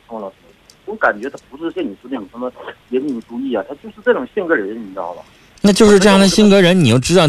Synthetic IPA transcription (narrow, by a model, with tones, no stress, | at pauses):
ʊ˥ŋlə˨˩t̪e˥˩wka˨˩nt͡ɕɥɛ˧˥t̪pu˧˥ʂɻ̩˥˧˥ɕjɛ˥˧ni˨˩ʂu˥d̪ə˥˩o˨˩ʂə˧˥mə˧jɛ˧˥nmi˧˥˩ŋʈ͡ʂu˥i˥˩a˨˩t̪ʰa˥t͡ɕjo˥˧ʊʂɻ̩˥˧ʈ͡ʂɤ˥˩ʈ͡ʂʊ˨˩ŋɕɛ˥˩ŋkɤ˧˥ɻə˧˥ə˧˥i˧˥nɑ̰˥˩ʊlə̰˨˩ | na˥˧t͡ɕjʊʂɻ̩˥˧ʈ͡ʂɤ˥˧jɑ˥˩ŋd̪ə˩ɕi˥ŋkɤ˧˥ɻə˧˥nni˨˩jo˥˩ʊʈ͡ʂɻ̩˥ɑ˥˩